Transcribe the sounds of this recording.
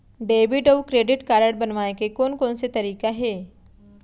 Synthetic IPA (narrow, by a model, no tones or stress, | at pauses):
ɖeːʋɪɖoːwkɾeːɖɪʈkaːɾəɽbɐnʋaːekekoːnkɔːnset̪ɐɾiːkaɦɛː